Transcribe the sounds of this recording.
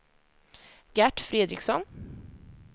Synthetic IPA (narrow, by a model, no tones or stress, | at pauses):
ɡ̥æʈfɾeːd̪ɾɪ̰ksɔnː